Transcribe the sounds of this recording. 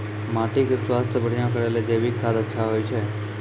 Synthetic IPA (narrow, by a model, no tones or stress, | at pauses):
maːʈiksʋast̪ʰəbəɽ̤ijãkəɾeled͡ʒeʋikt̪ʰad̪ətːʃʰaɦojt͡ʃʰe